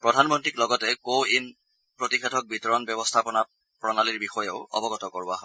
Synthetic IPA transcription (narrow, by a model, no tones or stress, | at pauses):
pɹɔdʱanmɔntɹiklɔɡɔtɛkoin | pɹotixʰɛtʰɔk̚bitɔɹɔnbjɔbɔstʰapɔna | pɹɔnaliɹbixɔjɛʊɔ̰bɔɡɔtɔkɔɹbɔaɦɔ